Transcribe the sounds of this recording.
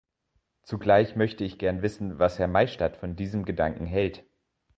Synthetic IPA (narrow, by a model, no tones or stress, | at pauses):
t͡suɡlaɪçmœçtəɪçɡ̥ɛɐnvɪsn̩vashɛɐmaɪʃtatfɔndiːzəmɡədaŋkŋ̩ɦɛlt